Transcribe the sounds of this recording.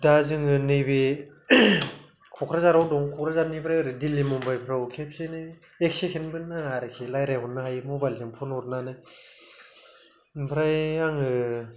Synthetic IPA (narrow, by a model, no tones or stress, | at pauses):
dazɯŋɯnɯjbe | kʰɔkʰɾazaɾawdɔŋkʰɔkʰɾazanipʰɾajɾɯdilːimɔmbajpʰɾawkʰep̚senɯj | ek̚sekʰenbɯnːaŋaɾɯkʰilajɾajɦɔnːɯɦajmobajldɯŋpʰɔnɔɾnanaj | npʰɾajaŋɯ